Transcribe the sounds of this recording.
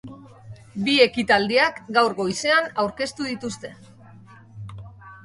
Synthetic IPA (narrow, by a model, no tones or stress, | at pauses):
bie̞kit̪ald̪iakɡawɾɣo̞jse̞anawɾke̞st̪uðit̪ust̪e̞